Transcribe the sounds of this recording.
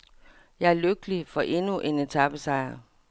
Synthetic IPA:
jɑ̈ɪæɐløɡ̥əlifɒ̽ʔe̝nuʔe̝ne̝t͡sʰɑb̥əsɑ̈ɪ̰ɐ

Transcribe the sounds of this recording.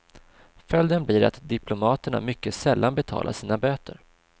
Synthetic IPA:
fœld̪ənbliːɾa̰t̪d̪ɪplʊmɑːt̪əɳa̰mʏkːəsɛlːanbɛt̪ʰɑ̰ːlʔa̰ʂiːnabøːt̪ə̰ɾ

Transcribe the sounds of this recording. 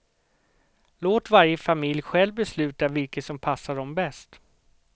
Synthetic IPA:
loːt̪vaɾjəfamɪljɧɛlvbɛslʉ̟ːt̪avɪlkəsɔmpʰasːaɖɔmbɛst̪

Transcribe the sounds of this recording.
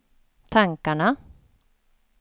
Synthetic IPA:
t̪ʰaŋkaɳa

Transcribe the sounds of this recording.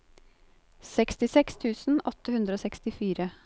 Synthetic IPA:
sɛkst̪ɪsɛkst̪ʰʉːsn̩ɔt̪ːəhʉnd̪ɾəoːsɛkst̪ɪfiːɾə

